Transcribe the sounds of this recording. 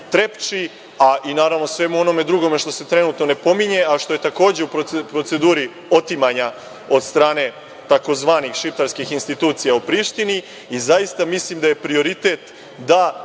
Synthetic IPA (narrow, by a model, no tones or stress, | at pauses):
t̪ɾe̞pt͡ʃi | aʔinaːɾaʋno̞sʋe̞muo̞no̞me̞d̪ɾuɡo̞me̞ʃt̪o̞se̞t̪ɾe̞nuːt̪no̞ne̞po̞miɲe̞ʔaʃt̪o̞je̞t̪ako̞ːd͡ʑe̞upɾopɾo̞t̪se̞d̪uːɾi | o̞t̪imaɲa | o̞d̪st̪ɾaːne̞ | t̪ako̞zʋaːnixʃift̪aɾskixinst̪it̪uːt̪sijaupɾiːʃt̪ini | izajist̪amislimd̪aje̞pɾio̞ɾit̪e̞t̪ | d̪a